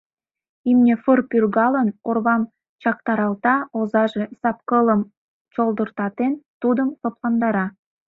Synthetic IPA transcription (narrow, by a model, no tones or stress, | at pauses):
imnʲefərpyrɣɑlənorβɑm | t͡ɕɑk̚t̪ɑɾɑlˠt̪ɑozɑʒesɑpkɤləm | t͡ɕolˠd̪ə̆rt̪ɑt̪ent̪ud̪əmsoplɑnd̪ɑɾɑ